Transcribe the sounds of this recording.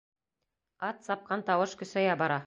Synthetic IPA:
ɑt̪sɑp̚qɑnt̪ɑwɤʃkɵ̆sæjɑbɑɾɑ

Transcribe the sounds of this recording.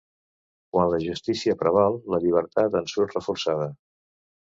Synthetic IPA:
kwanləʒust̪isiəpɾəβ̞alˠləʎiβ̞əɾt̪at̪ənsuɾt̪rəfuɾsað̞ə

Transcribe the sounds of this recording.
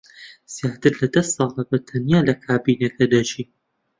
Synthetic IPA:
z̥jaːt̪ɨɾlɐd̪ɐssɑːlˠɐbɐt̪ʰɐnjaːlɐkʰaːbiːnɐkɐd̪ɐt͡ʃiː

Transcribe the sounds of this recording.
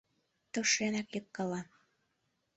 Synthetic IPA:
t̪ŏʃenækjɤkːɑlɑ

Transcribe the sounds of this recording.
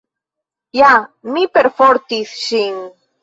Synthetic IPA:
jamipeɾfoɾt̪isʃiŋ

